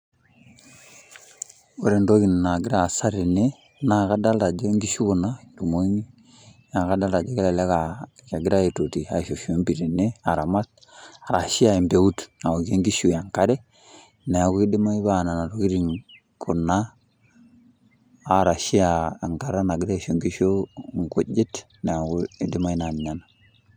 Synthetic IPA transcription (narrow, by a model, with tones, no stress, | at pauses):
o˦ɾɛ˨ndo˦ɣi˨n˨na˨ɡɪ˦ɾa˨sa˦ɾe˨ne˦ | na˨ka˦da˦lda˨d͡ʒe˦ŋɡi˦ʃu˦ku˨na˦du˨mo˦i˦ŋi˦ | ja˨ka˦da˦lda˨d͡ʒɛ˦kɛ˦la˨la˦ka˨ka˨ɡɪ˦ɾa˦e˨to˨ti˨a˨ʃo˨ʃu˦e˨˦mbi˨ɾi˨ne˦a˨ɾa˨ma˦t̚ | a˨ɾa˨ʃi˦a˦˨i˨mbe˨˦u˦tna˨o˨ɡe˦ŋɡi˦ʃu˨ja˨ŋka˦ɾe˦ | nɛ˨a˨ku˦i˦di˦ma˦i˦ba˨na˨na˨ɾo˨ki˦ɾi˨ŋ | kʰu˨na˦˨ | ɾa˨ʃi˦a˨a˨ŋka˨˦ɾa˦na˨ɡɪ˦ɾa˦i˨ʃo˦ŋɡi˦ʃo˦ŋ˨ku˦d͡ʒɪ˦t | ne˨a˨ɡu˦i˦di˦ma˦i˦na˨n˨ɲa˨na˨